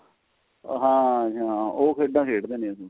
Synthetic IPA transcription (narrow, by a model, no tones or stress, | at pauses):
ɦãːt͡ʃãːoːkʰeːɖãːkʰeːʈd̪eːnẽːəsũː